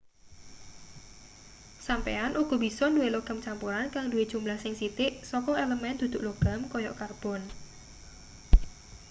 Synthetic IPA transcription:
sampḛanʔuɡ̥ɔ̤b̥isɔnduweloɡ̥a̤mt͡ʃampuɾankaŋdue̥ʒ̥umlahsɪŋsit̪ɪʔsɔkɔeləmɛnd̪̥ṳd̪̥ʊ̤ʔloɡ̥a̤mkɔjɔ̰karb̥ɔn

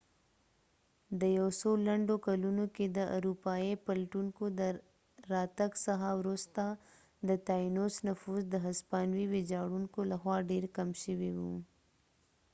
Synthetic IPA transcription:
d̪əjawsolaɳɖokalunoked̪əʔaɾupɑjepalʈuŋkod̪ə | ɾɑt̪aɡsaɦawɾust̪a | d̪ət̪ɑinosnafuzd̪əɦaspɑnwiwed͡ʒɑɽuŋkolaxwɑɖeɾkamʃəwiwṵ

